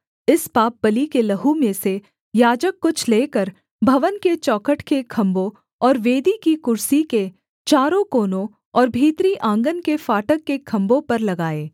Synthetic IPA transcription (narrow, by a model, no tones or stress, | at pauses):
ɪspaːp̚bɐlikelɐɦumẽse | jaːd͡ʒəkːʊt͡ʃʰleːkəɾ | bʱɐʋənket͡ʃɔːkəʈkekʰɐ̃mbõ | ɔːɾʋeːd̪ikikʊɾsike | t͡ʃaːɾõkoːnõ | ɔːɾbʱiːt̪ɾiʔãːŋɡənkefaːʈəkːekʰɐ̃mbõpɐɾlɐɡaːeː